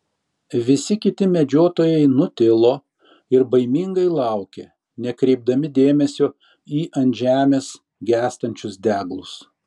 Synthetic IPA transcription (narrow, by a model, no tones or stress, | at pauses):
ʋʲɪsʲɪkʲɪt̪ʲɪmʲɛd͡ʒʲoːt̪oːjɛɪnʊt̪ʲɪlˠoː | ɪɾbɐɪmʲiŋɡɐɪlˠɑˑʊkʲḛ | nʲɛkɾʲɛɪb̚d̪ɐmʲɪd̪ʲeːmʲɛsʲoː | iːʔɐnʲʒʲæːmʲeːs | ɡʲæːst̪ɐnʲt͡ʃʲʊsd̪ʲæːɡlˠʊs